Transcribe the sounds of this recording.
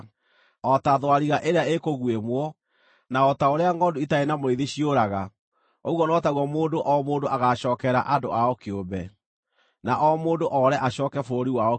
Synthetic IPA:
ɔtaðwaɾiɣaʔeɾeaekoɣwemwɔ | naɔtaoɾeaŋɡɔdoitaenamoɾeðiɕioɾaɣa | oɣwɔnɔtaɣwɔmoːndoʔɔmoːndoaɣaɕɔːkɛɾa̰ʔado̰ʔaɔkeobɛ | naʔɔmoːndoʔɔɾɛʔaɕɔːkɛfoɾiwaɔ

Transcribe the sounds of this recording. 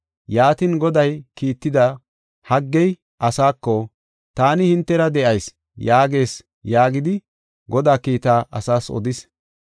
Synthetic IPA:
jaːt̪ɪnɡɔd̪ɐjkiːt̪ːɪd̪ɐ | hɐɡːɛj | ʔɐsaːkːɔ | t̪aːnɪhɪnt̪ːɛɾɐd̪ɛʔɐjs | jaːɡe̞ːs | jaːɡɪd̪ɪ | ɡɔd̪aːkiːt̪aːʔɐ̰saːsɔ̰d̪ɪs

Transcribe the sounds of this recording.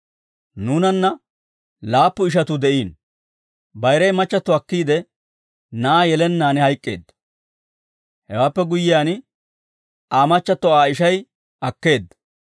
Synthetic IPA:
nuːnɐnːɐ | laːpːʊɪʃ̬ɐt̪ʊd̪ɛʔiːn | bɐjɾɐjmɐt͡ʃːɐt̪ːɔɐkːiːd̪ɛ | nɐaːjɛlɛnːaːnɛhɐjkʼːe̞ːd̪ːɐ | hɛwaːpːɛɡʊjːɪjaːn | aːmɐt͡ʃːɐt̪ːɔaːɪʃɐj | ʔɐkːe̞ːd̪ːɐ

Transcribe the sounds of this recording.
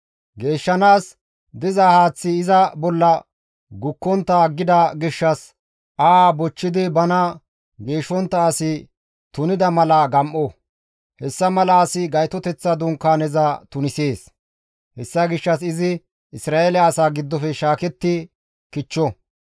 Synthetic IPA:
ɡe̞ːʃːɐnaːs | d̪ɪzɐhaːt͡sːɪːzɐbɔlːɐ | ɡʊkːɔnt̪ːɐɡːɪd̪ɐɡɪʃːɐs | ʔaːbɔt͡ʃːɪd̪ɪbɐnɐ | ɡe̞ːʃɔnt̪ːɐːsɪ | t̪ʊnɪd̪ɐmɐlɐɡɐmʔɔ | hɛsːɐmɐlɐːsɪɡɐjt̪ɔt̪ɛt͡sːɐd̪ʊŋkːaːnɛzɐt̪ʊnɪseːs | hɛsːɐɡɪʃːɐsɪzɪ | ɪsɾaːelɛɐsaːɡɪd̪ːɔfɛʃaːkɛt̪ːɪ | kɪt͡ʃːɔ

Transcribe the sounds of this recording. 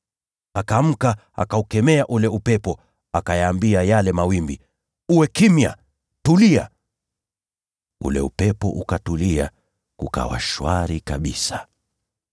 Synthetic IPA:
akam̩ka | a̰kaukɛmɛaʔulɛupɛpɔ | akajaːmbiajalɛmawimbi | uwɛkimja̰ | tulia̰ | ṵlɛ̰upɛpɔ̰ʔukatulia̰ | kuka̰wa̰ʃwaɾikaɓisḁ

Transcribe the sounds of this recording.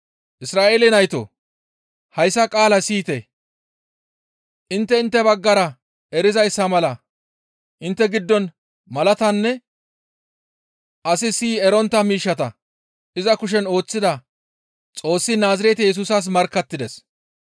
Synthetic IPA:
ʔɪsɾaːʔeːlɛnɐjt̪o̰ | hɐjsːɐkʼaːlɐsiːt̪ɛ | ʔɪnt̪ːɛɪnt̪ːɛbɐɡːɐɾɐ | ɛɾɪzɐjsːɐmɐlɐ | ʔɪnt̪ːɛɡɪd̪ːɔn | mɐlɐt̪ɐnːɛ | ʔɐsɪsiːɛɾɔnt̪ːɐmiːʃːɐt̪ɐ | ɪzɐkʊʃ̬ɛno̞ːt͡sːɪd̪ɐ | t͡sʼo̞ːsːɪnaːzɪɾɛt̪ɛjɛs̬uːsɐs̬mɐɾkːɐt̪ːɪd̪ɛs

